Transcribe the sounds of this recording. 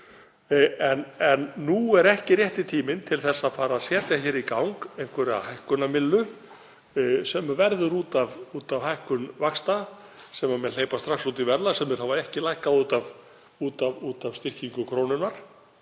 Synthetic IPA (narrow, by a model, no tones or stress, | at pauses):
ɛnɛnːuɛɾɛhcɪrjɛht̪ɪt̪ʰiːmɪnt̪ʰɪlθɛsːaðfaːɾaːðsɛːt̪jaçɛːɾikawŋkejn̥kʰvɛɾɪa̰hajhkʏnamɪlːʏ | sɛmːvɛɾðʏɾuːt̪avuːt̪avhajhkʏnvakst̪a | sɛmamjɛðleːjpast̪ɾaksut̪ivɛɾlasɛmːɪɾ̥havaɛhcɪlajhkaðuːt̪av | uːt̪avuːt̪av̥st̪ɪr̥ciŋkʏkʰɾoːwnʏnaɾ̥